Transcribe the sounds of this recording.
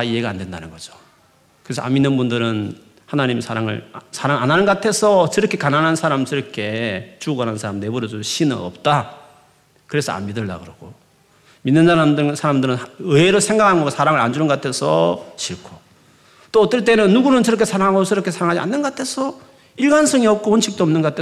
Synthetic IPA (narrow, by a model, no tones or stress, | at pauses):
aie̞ɡaandwe̞nda̰nɯnɡʌd͡ʑo̥ | kɯɾesʰʌ̰a̰mːinːɯnbundɯɾɯn | hanaɲimsʰaɾaŋɯ̰ɭsʰaɾaŋanɦanɯnɡoatʰe̞sʰʌt͡ɕʌɾʌkʰe̞kananɦansʰaɾamt͡ɕʌɾʌkʰe̞t͡ɕuɡoɡanannsʰaɾamne̞buɾʌd͡ʑoɕʰinɯ̰ʌ̰p̚t͈a | kɯɾe̞sʰʌ̰a̰mmidɯɭda̰ɡɯɾʌɡ̥o | minːɯnsʰaɾamdsʰaɾamdɯɾɯnɯeɾosʰe̞ŋɡakʰanɡʌsʰaɾaŋɯɾa̰nd͡ʑunɯnɡʌatʰesʰʌ̰ɕʰiɭkʰo | t͈oʌt͈ʌɭt͈e̞nɯnːuɡunɯnt͡ɕʌɾʌkʰesʰaɾaŋaɡosʌɾʌkʰe̞sʰaɾaŋɦad͡ʑia̰nːɯnɡʌatʰe̞sʰʌ | iɭɡansʰʌŋiʌp̚k͈oʌnɕʰik̚t͈oʌmnɯnɡʌatʰe